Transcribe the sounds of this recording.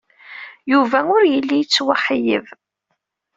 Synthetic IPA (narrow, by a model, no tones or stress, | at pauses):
juvæʊɾjəlːijət͡sːwaħəjə̰v